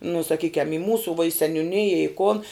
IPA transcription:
nʊ sɐˈkʲiːkʲɛm ɪ ˈmuːsuː ʋuɔ ɪ sʲɛnʲʊˈnʲɪjɛ ɪ koːn

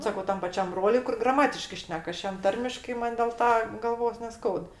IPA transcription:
ˈsɑːkɐʊ ˈtɐm pɐˈt͡ʃʲɛm ˈbroːlʲʊɪ kʊr ɡrɐˈmɑːtʲɪʃkɜ ˈʃʲnʲɛk ˈɐʃ ˈjɛm ˈtɐrʲmʲɪʃkɐɪ ˈmɐnʲ dʲeːlˠ ˈtɐ ɡɐlˠˈʋoːs nʲɛˈskɐʊt

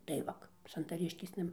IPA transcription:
tɐɪ ˈʋɐk sɐntɐˈrʲɪʃʲkʲeːsnɐ

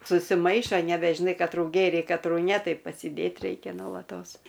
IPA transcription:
sʊsʲɪˈmɐɪʃoː nʲɛbʲɛʒʲɪˈnɐɪ kɐtˈruː ˈɡʲeːrʲɛɪ kɐtˈruː nʲɛ ˈtɐɪ pɐsʲɪˈdʲeːt ˈrʲɛɪkʲɛ noːlˠɐˈtoːs

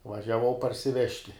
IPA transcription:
ʋɐʒʲɛˈʋɐʊ pɐrʲsʲɪˈʋʲæːʃʲtʲɪ

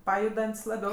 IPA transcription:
ˈpɑːjʊdɐnʲtʲsʲ lˠɐˈbʲɛʊ

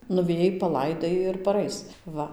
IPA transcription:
nʊʋʲɛˈjɛɪ pɐˈlˠɐɪdɐɪ ɪr pɐˈrɐɪs ˈʋɐ

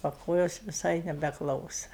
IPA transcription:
oː ˈkoːjoːs ʋʲɪˈsɐɪ nʲɛbʲɛˈklˠɐʊsɐ

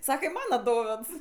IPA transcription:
ˈsɑːkɐ ɪ ˈmɑːnɐ ˈdoːʋʲeːts

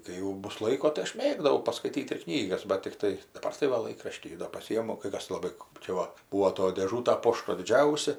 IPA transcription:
kɐɪ jɛʊ ˈbʊs ˈlˠɐɪkoː tɐɪ ˈɐʃ ˈmʲeːɡdɐʋɐʊ pɐskɐɪˈtʲiːt ɪr ˈknʲiːɡɐs bɐt tʲɪkˈtɐɪ dɐˈbɐr tɐɪ ˈʋɐ ˈlˠɐɪkrɐʃʲtʲiː doː pɐˈsʲiːjɪmʊ kɐɪ ˈkɐs lˠɐˈbɐɪ kɜp t͡ʃʲɛ ˈʋɐ ˈbuːoː toːj dʲeːˈʒuːtɐ ˈpoːʃtoː dʲɪˈd͡ʒʲɛʊsʲɛ

